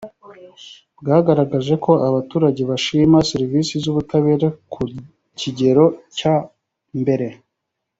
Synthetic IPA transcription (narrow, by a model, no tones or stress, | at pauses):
bɡaːɡaɾaɡaʒe̞kʰo̞ʔaβatuːɾaɟe̞βaʃimaseɾivisizuβutaβe̞ːɾakʰu | ciɟe̞ɾo̞ca | mbe̞ɾe̞